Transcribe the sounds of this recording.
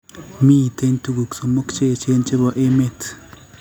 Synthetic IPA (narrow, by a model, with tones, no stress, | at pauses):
mi˦˨t̪e˦ntu˦ɡu˨kso˨mo˦kt͡ʃe˦˨t͡ʃe˦nt͡ʃe˦ba˨ʔe˦me˦t